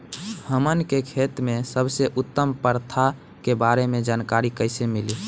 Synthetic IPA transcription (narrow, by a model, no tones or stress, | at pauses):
həmənkekʰet̪mesəbseʔʊt̪ːəmpəɾt̪ʰa | kebaɾemed͡ʒaːnkaɾikəɪsemili